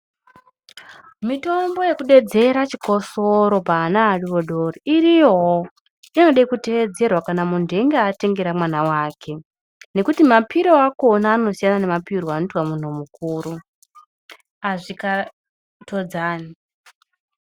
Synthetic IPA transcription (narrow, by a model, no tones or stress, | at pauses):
mito̞mbo̞je̞kuɗe̞d͡ze̞ɾat͡ʃiko̞soɾo̞paːnaːriʋo̞ɗoriʔiriɦo | ino̞ɗaikute̞ʋe̞d͡ze̞rwakanamundʱe̞ŋɡeate̞ŋɡe̞ɾamwanawaːkʰe̞ | ne̞kutimapiɾoakonaːno̞sijanane̞mapiroanituwamun̤umukuːɾu | aʐika | tʰo̞d͡zaːni